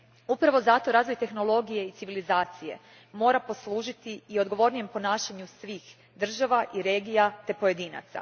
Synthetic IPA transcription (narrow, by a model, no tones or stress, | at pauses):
upɾaʋo̞zat̪o̞ɾaːzʋo̞jt̪e̞xno̞lo̞ɡije̞it̪siʋilizaːt̪sije̞̰ | mo̞ːɾapo̞slˠuːʒit̪iio̞d̪ɡo̞ʋo̞ɾnije̞mpo̞naːʃaɲusʋiːx | d̪r̩ʒaʋaʔiɾe̞ːɡijat̪e̞po̞je̞d̪iːna̰t̪sa̰